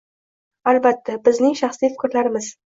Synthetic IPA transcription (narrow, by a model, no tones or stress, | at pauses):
albat̪ʰːabɪznɪŋʃaχslijfɪ̥kʲɾlaɾɪmɪz